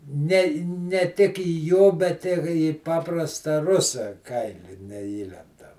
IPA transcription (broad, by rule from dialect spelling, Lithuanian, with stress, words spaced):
ˈnʲɛ nʲɛ ˈtʲɪk iː ˈjoː bʲɛt ˈɪ iː ˈpɑːprɐstɐ ˈrʊsɐ ˈkɐɪlʲɪ nʲɛˈiːlʲɛndɐm